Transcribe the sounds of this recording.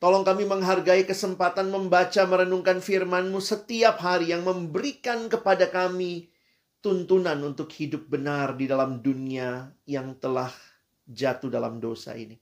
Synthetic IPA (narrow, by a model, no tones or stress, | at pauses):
t̪olɔŋkamiməŋɦarɡaikəsəmpat̪anməmbat͡ʃaməɾənuŋkanfirmanmusət̪iap̚ɦaɾijaŋməmbəɾikankəpadakami | t̪unt̪unanunt̪ʊkhidʊp̚bənardidalamduniajaŋt̪əlah | d͡ʒat̪udala̰mdosa̰ḭni